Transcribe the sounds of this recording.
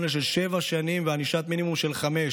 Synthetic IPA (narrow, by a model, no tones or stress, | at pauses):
neʃ̬elʃevaʃanimveaniʃat̪minimumʃe̞lχame